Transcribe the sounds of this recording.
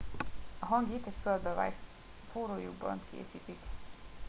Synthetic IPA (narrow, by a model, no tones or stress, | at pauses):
ɒɦɒŋɡit̪ɛcføld̪øva̰jt̪ | foːɾoːjṵɡ̚bɒ̰nt̪kʰḛːsiːt̪ik